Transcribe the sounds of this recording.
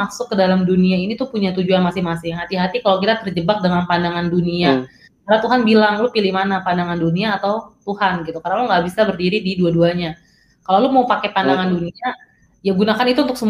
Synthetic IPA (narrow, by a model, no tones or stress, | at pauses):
asʊkːədalamduniainit̪upuɲat̪ud͡ʒuanmasɪŋmasɪhat̪iɦat̪ikalok̬it̪at̪ərd͡ʒəbak̚dəŋanpandaŋandunia | karnat̪uɦanbilaŋlʊpilɪhmanapandaŋanduniaːt̪awt̪uhanɡit̪ukarnaluŋɡaʔbisabərdiɾididuaduaɲa | kalalumaupakepandaŋandunia | jaɡunakanit̪uːnt̪ʊksəm